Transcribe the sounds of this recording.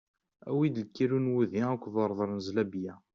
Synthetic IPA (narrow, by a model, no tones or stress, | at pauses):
æ̰wid̪əlkːiɾunwuðiækʷːðˤəɾˤðˤəɾˤnzlæbjæ